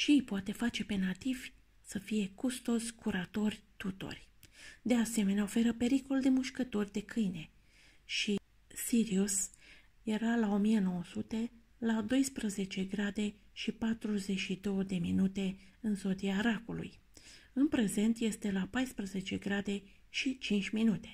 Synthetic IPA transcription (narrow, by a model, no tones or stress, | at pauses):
ʃijpoat̪e̞fat͡ʃe̞pe̞nat̪ivʲ | səfije̞kust̪o̞zʲkuɾat̪o̞rʲt̪ut̪o̞̰rʲ | d̪e̞ase̞me̞neao̞fe̞ɾəpe̞ɾiko̞ld̪e̞muʃkət̪o̞rʲd̪e̞kʰɨjne̞ | ʃi | siɾius | je̞ɾalao̞mijeno̞wəsut̪e̞ | lad̪o̞jspɾəze̞t͡ʃe̞ɡɾad̪e̞ | ʃipat̪ɾuze̞ʃid̪o̞wəd̪e̞minut̪e̞ɨnzo̞d̪iaɾakulṵj | ɨnpɾe̞ze̞nt̪je̞st̪e̞lapajspɾəze̞t͡ʃe̞ɡɾad̪e̞ʃit͡ʃint͡ʃʲminut̪e̞